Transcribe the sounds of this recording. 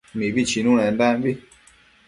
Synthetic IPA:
mibit͡ʃinũnɛndambi

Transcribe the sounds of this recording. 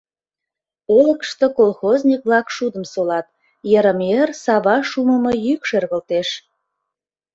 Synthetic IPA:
oləkʃt̪okolxoznʲik̚βlɑkʃud̪əmsolɑt̪̚ | jəɾəmersɑβɑʃuməmɤjykʃørɣəlt̪eʃ

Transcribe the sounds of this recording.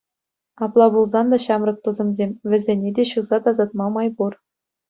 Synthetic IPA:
ɑplˠɑbulˠzɑnd̪ɑɕɑmrɤ̆k̚t̪uzɤ̆mzʲemʲʋʲɘ̆zʲenʲedʲeɕuzɑt̪ɑzɑt̪̚mɑmɑjbur

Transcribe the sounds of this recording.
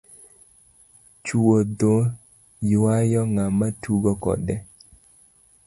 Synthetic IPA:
t͡ʃuod̪o | jwajɔŋamatuɡɔkɔ̰dɛ

